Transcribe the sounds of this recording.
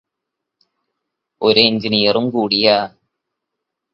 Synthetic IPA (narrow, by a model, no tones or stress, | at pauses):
ɔɾeɪnd͡ʒɪnɪjɐɾɯmkuːɽɪjaː